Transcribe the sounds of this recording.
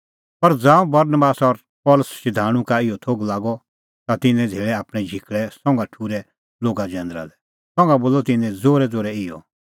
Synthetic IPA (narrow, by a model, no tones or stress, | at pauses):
pɐɾd͡zãːũbɐɾnəbaːsɔɾ | pɔːləsʃɪd̪ʱaːɽ̃ũkaɪjɔt̪ʰoɡlaːɡɔ | t̪at̪ɪnɛ̃d͡zʱeːɭɛaːpɽ̃ɛ̃d͡ʒʱɪkɭɛsɔ̃ŋɡaʈʰuːɾɛ | loːɡad͡ʒɛ̃ːnd̪ɾa̰lɛ | sɔ̃ŋɡaboːlɔt̪ɪnɛ̃d͡zoːɾɛd͡zoːɾɛɪjɔ̰